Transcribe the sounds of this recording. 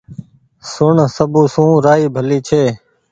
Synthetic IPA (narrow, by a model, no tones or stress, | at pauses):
sʊɳsəbũːsũːɾaːiːbʱəliːt͡ʃʰeː